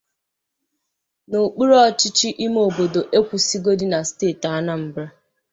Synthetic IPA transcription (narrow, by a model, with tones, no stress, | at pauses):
no˨k͡pu˦ɾɔ˦t͡ʃɪ˦t͡ʃi˦ʔi˦m˦o˨bo˨do˨ʔe˦kʷu˨si˦ɡo˦di˦na˨steː˦˨ta˦na˦m̩˨bɾa˦